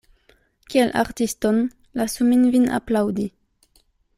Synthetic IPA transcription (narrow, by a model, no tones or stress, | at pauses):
kielʔa̰ʁtiston | lasuminvina̰plawdi